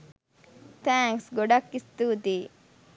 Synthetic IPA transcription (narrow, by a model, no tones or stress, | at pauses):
t̪æːŋsɡoɖɐkːist̪uːd̪iː